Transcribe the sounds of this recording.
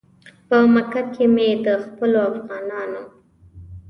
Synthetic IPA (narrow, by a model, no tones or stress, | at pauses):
pəmakakʰemed̪əxpəloafɣɑnɑno